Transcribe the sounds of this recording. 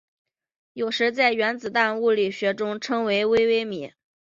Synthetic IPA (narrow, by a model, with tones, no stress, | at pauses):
jo˨˩ʊʂɻ̩˧˥t͡sa˥˩ɪɥɛ˧˥nt͡sɹ̩˨˩t̪a˥˧nu˥˩li˨˩ɕɥɛ˧˥ʈ͡ʂʊ˥ŋʈ͡ʂʰɤ˥ŋwe˧˥ɪwe˥ɪwe˥ɪmḭ˨˩˦